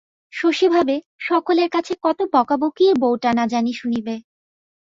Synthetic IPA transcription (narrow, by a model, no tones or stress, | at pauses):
ʃoʃibʱabe | ʃɔkoleɾkat͡ɕʰekɔt̪obɔkabokiebowʈanad͡ʑaniʃunibe